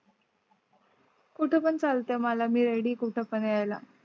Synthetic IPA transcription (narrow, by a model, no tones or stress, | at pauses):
kuʈʰepəɳt͡salt̪emalamiːɾeɽiːkuʈʰəpəneajla̰